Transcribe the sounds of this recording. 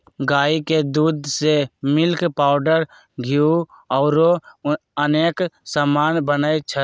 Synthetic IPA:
ɡaːiked̪uːd̪semɪlkpaːʊɖəɾ | ɡʱiu | ɔːɾoəneːksamaːnbənait͡ʃʰə

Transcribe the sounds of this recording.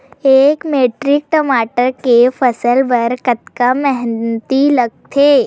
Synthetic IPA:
eːkmeːʈɾɪk̚ʈəmaːʈəɾkefʰɐsəlʋəɾkət̪kamɛɦnt̪ilɐɡ̚t̪ʰeː

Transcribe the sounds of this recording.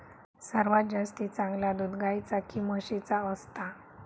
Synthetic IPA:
səɾʋat̪̚d͡ʑast̪it͡sãŋɡlad̪ud̪ɡajt͡sakiməɕit͡saəst̪a

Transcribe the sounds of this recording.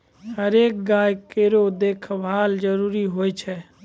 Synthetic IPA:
həɾeːk̚ɡaːjkeːɾod̪eːkʰʋaːld͡ʒəɾuːɾiɦoːit͡ʃʰɛ

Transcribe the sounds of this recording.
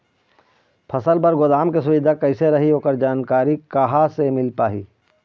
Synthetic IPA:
pʰɐsəlpɐɾɡʊd̪aːmkesʊʋɪd̪ʱakɐɪseɾɐɦiɦoːkəɾd͡ʒaːnkaːɾikaːɦasemɪlpaːɦiː

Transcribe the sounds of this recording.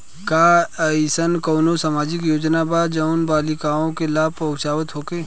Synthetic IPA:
kaːisənkoːnosamaːd͡ʒɪkjoːd͡ʒnabad͡ʒɐʊnbaːlɪkaːõkelaːb̚pɐʊt͡ʃaːʋət̪ɦoːkeː

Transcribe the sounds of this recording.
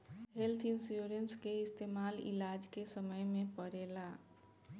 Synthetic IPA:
ɦelt̪ʰɪnsjuːɾənskeɪst̪eːmaːlɪ̰laːd͡ʒkesəməjmẽpəɾeːla

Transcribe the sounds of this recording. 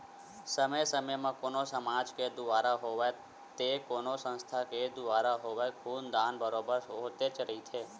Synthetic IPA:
səməjsəməjmãkonosəmad͡ʒked̪uʋaɾaɦoʋe | t̪ekonosə̃nst̪ʰaked̪uʋaɾaɦoʋekʰund̪anbəɾobəɾot̪et͡ʃəɾit̪ʰe

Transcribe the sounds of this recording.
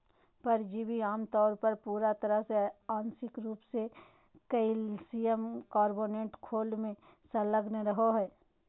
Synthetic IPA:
pɐɾd͡ʒiːbiaːmt̪ɔːɾpɐɾpuːɾat̪ɐɾəɦseaːnsɪkɾuːpse | kɐɪlsijəmkaːɾboːnẽːʈkʰoːlmẽ | sɐləɡneɾɐɦoɦɛː

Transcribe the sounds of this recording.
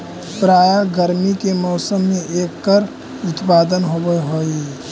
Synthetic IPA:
pɾaːjaɡəɾmikemɔːsəmːẽʔeːkːəɾ | ʊt̪paːd̪ənɦobəɦoːi

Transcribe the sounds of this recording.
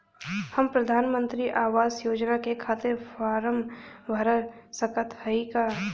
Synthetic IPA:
həmpɾɐd̪ʱaːnmə̃nt̪ɾiʔaːʋaːzjoːd͡ʒnakekʰaːt̪ɪɾfaːɾəmʋʱɐɾəɾsəkət̪ɦəikaː

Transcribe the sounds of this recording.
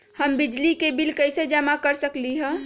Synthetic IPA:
həmbɪd͡ʒlikebilkəɪsed͡ʒəmakəɾsəkliɦɛ̃

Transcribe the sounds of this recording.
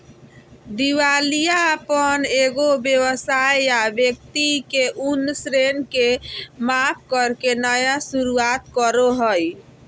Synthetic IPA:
d̪iwalijaəpəneɡobjewəsajjabjek̚t̪ikeʔunːsɾenkemap̚ʰkəɾkenəjasuɾuat̪kəɾoɦəj

